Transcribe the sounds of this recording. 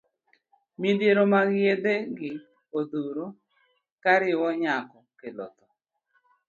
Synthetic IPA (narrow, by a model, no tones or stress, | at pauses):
midjeɾomaɡɪed̪eɡɪ | od̪uɾo | kaɾɪwɔɲakɔkelɔ̰t̪ɔ